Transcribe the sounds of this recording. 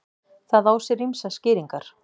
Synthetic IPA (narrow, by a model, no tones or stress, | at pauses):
θaðawsɛɾrimsascɪːɾiŋkaɾ̥